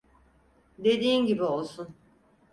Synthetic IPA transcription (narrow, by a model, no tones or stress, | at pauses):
d̪e̞d̪iːnɟibio̞lˠsun